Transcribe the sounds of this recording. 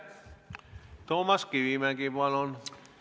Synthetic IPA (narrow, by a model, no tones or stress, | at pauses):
t̪omɑskiʋiːmækiʋɑnon